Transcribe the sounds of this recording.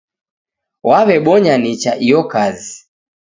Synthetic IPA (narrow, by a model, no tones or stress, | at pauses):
waβɛɓɔɲanit͡ʃaʔijɔkazi